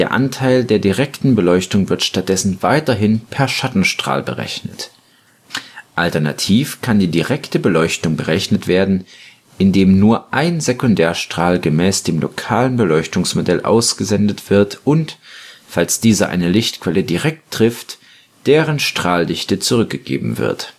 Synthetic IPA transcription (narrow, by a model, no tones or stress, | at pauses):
d̥eːɐʔa̰ntʰaɪldeːɐdiʁɛktn̩bəlɔʏçtʊŋvɪɐtʃtat̚d̥ɛsn̩vaɪtɐɦɪnpʰɛɐʃatn̩ʃtʁ̥a̰ːlbə̰ʁɛ̰çnət | ʔaltɛɐna̰tʰiːfkʰandiːdiʁɛktəbəlɔʏçtʊŋbəʁɛçnətv̥eːɐdn̩ | ʔɪndeːmnuːɐʔaɪnzekʊndɛːɐʃtʁ̥aːlɡəmɛːsd̥eːmlo̰kʰaːlənbəlɔʏçtʊŋsmodɛlʔa̰ʊsɡ̥əzɛndətv̥ɪɐtʔʊntfalsd̥iːzɐʔa̰ɪnəlɪçtkv̥ɛlədiʁɛk̚tːʁ̥ɪft | d̥eːʁənʃtʁ̥aːldɪçtət͡suʁʏk̚ɡ̥əɡ̥ḛːbm̩vɪ̰ɐt